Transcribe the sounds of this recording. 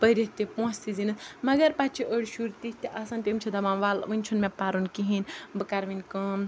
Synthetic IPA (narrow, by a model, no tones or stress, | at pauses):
pəɾʲit̪ipõːst̪izinɨsmɐɡɐɾpat͡ʃʰiʔəɽʲʃuɾt̪ist̪iʔɐsãnt̪ʲimt͡ʃʰid̪ɐmanʋalʋɨnʲt͡ʃʰunmepaɾunkiɦinʲbɨkaɾʋinʲkəm